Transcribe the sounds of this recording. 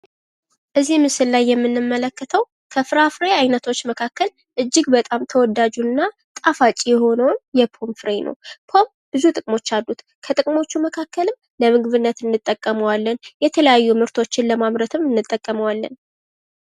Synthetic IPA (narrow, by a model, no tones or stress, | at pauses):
ʔɨzimɨsɨllajːɛmːɨnːɨmːələkːət̪ʰəw | kʰəfɨɾafɾeajnət̪ʰo̞t͡ʃːməkʰakːəl | ʔɨd͡ʒːɪɡbət̪ʼamt̪ʰəwɔd̪ad͡ʒunːa | t̪ʼafat͡ʃʼijɛho̞nəwnjɛpʰo̞mfɾenʔə̰wpʰo̞m | b̥ɨzut̪ʼɨkʼmo̞t͡ʃːalːut̪ | kʰət̪ʼɨkʼmo̞t͡ʃːuməkʰakʰːəlɨm | ləmɨɡɨβɨnːət̪ɨnːɨt̪ʼːəkʼːəməwalːənjɛt̪ʰələjajːumɨɾt̪ʰo̞t͡ʃːɪnləmamɾət̪ʰɨmɨnːɨt̪ʼːəkʼːəməwalːə̰n